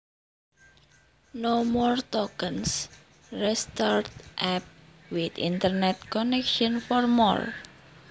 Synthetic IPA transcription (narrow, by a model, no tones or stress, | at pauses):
nomɔrt̪ɔkəns | rɛst̪art̪ʔɛp̚wɪt̪ḭnt̪ərnɛt̪̚kɔnɛkʃɔnfɔrmɔ̰r